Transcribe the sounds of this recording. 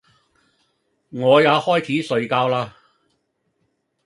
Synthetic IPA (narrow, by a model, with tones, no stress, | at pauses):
ŋɔː˨˧jaː˨˧hɔː˥jt͡sʰiː˨˥sɵ˨˧ɥkaː˧wlaː˧